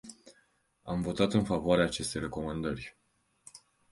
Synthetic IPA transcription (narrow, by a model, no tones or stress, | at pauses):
amvo̞t̪at̪ɨnfavoaɾeaːt͡ʃe̞st̪e̞jre̞ko̞mand̪ərʲ